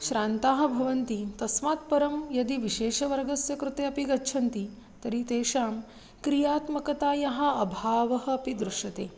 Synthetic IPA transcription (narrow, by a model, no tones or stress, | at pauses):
ʃɾaːnt̪aːɦɐ̆bʱɐʋɐnt̪it̪ɐsmaːt̪pɐɾɐmjɐd̪iʋiʃeːʃɐʋɐɾɡɐsjɐkɾut̪eːɐpiɡɐːt͡ʃʰɐnt̪i | t̪ɐɾit̪eːʂaːm | kɾijaːt̪mɐkɐt̪aːjɐɦɐ̆ɐbʱaːʋɐɦɐ̆ɐpid̪ɾuʂɐt̪eː